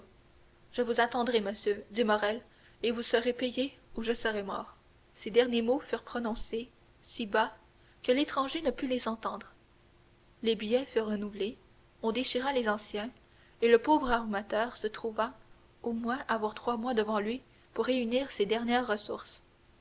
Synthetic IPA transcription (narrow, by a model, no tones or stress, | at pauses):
ʒ̥əvuzat̪ɑ̃d̪ʁeməsjød̪imɔʁɛl | evusəʁepejeuʒəsəʁɛmɔ̰ːʁ | sed̪ɛʁnjemofyːʁpχɔnɔ̃se | siba | kəlet̪χɑ̃ʒenəpylezɑ̃t̪ɑ̃d̪ʁ | lebijɛfyʁːənuvle | ɔ̃d̪eʃiʁalezɑ̃sjɛ̃ | eləpoːvʁaʁmat̪œːʁsət̪χuva | omwɛ̃ʔavwaʁt̪χwamwad̪əvɑ̃lɥi | puʁːeyniːʁsed̪ɛʁnjɛʁːəsuʁs